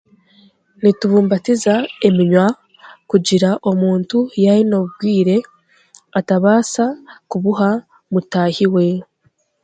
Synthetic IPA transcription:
nituβuːmbatizae̞miɲwa | kuɟiɾaʔo̞muːntujaɾino̞ɡwiːɾe̞ | ataβaːsakuβuɦa | mutaːhiwe̞

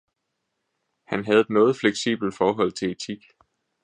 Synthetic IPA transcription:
hænɦæð̞̩ˠnɔ̽ːð̩ˠfleɡ̥sḭːb̥l̩d̥fɒːɦɒ̽l̰t͡sʰe̝et͡sʰiɡ̥

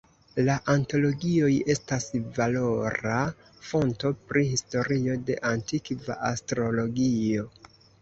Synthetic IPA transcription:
laʔanto̞lo̞ɡio̞je̞stasvalo̞ɾa | fo̞nto̞pɾihisto̞ɾio̞de̞̰ʔantikva̰ʔastɾo̞lo̞ɡio̞

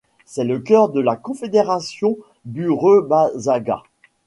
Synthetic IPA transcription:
sɛləkʲœʁd̪əlakɔ̃fed̪eʁasjɔ̃ | byʁøbazaɡa̰

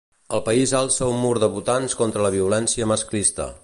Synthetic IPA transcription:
əlˠpəizalˠsɛwmuɾðəβut̪anskɔnt̪ɾələβiulɛnsiəməsklist̪ə̰

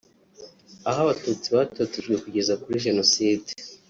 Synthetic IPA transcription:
aɦaβatut͡siβaːtot͡siʒɡwe̞kuɟe̞zakuɾiʒe̞no̞siːde

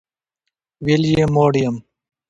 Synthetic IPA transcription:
ʋiljemoːɽijɐm

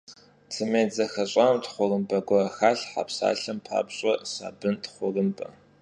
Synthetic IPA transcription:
t͡sʰɨmeːd͡zɐxɐɕʼaːmtχʷʊrɨmbɐɡʷɔxaːɬħa̰psa̰ːɬɐmpʰa̰ːbɕʼɐsa̰ːbɨntχʷʊrɨmbʰʼɐ

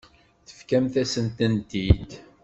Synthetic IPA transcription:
θə̥fkæmθæsənt̪ənt̪id̪

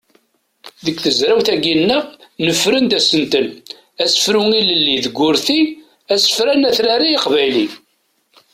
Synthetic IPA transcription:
ðəkθəzɾæwθæɡinːənəfɾənd̪æsənt̪ən | æsə̥fɾuŋiləlːiðəɡʷːʊɾθi | æsə̥fɾænæθɾaɾijiqvæjli

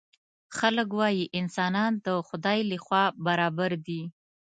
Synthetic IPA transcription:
xalək̬wɑjiʔɪnsɑnɑnd̪əxʊd̪ɑjləxwɑbaɾɑbaɾd̪i

